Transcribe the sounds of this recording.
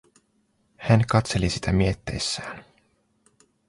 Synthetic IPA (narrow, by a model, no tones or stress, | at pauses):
hænkɑt̪se̞lisi̥t̪æmiet̪ːe̞̰jsːæːn